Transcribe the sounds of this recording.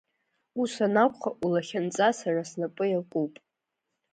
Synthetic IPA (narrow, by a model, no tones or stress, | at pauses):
usanakʷʼχaʔulaχʲant͡sʼasarasnapʼɨjalqʷʼuwpʼ